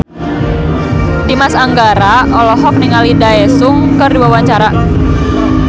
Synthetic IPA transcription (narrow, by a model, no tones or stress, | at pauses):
dimasaŋɡaɾaʔɔlɔɦɔk̚niŋalidaesʊŋkərduwawaɲt͡ʃaɾa